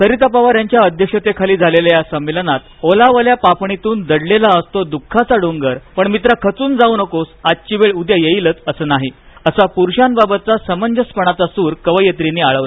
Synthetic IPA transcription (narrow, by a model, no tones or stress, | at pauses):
səɾit̪apaʋaɾjaɲt͡ɕjaəd̪ʱjəkʂət̪ekʰaliːd͡zʱalelajasəmːilənat̪̚olaʋəljapapɳit̪uːnd̪əɽlelaəst̪od̪ukʰːat͡saɽuŋɡəɾpəɳmit̪̬ɾakʰət͡suːnd͡zaunəkosad̪̚t͡ɕiʋeɭud̪jajejilət͡səsəːnaɦi | əsapuɾɕanbabət̪̚t͡sasəməɲd͡ʑəspəɳ̃at͡sasuːɾkəʋəjət̪ɾiniːaɭəʋla